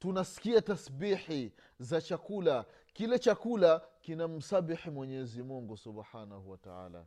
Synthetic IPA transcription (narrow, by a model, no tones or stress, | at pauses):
tunasi̥kiatasbiħi | zat͡ʃakula | kilɛt͡ʃakulakinam̩sabiħimwɛɲɛzimuŋɡusubħanahuwata̰a̰ːla̰